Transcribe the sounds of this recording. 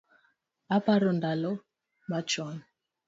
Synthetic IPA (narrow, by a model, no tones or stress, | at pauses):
apaɾɔndalɔ | mat͡ʃɔn